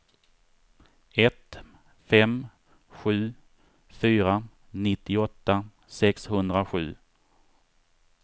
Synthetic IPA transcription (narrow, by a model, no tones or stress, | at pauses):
ɛt̪ | fɛm | ɧʉ̟ː | fyːɾa | nɪt̪ːɪɔt̪ːa | sɛkshɵnd̪ɾaɧʉ̟̰ː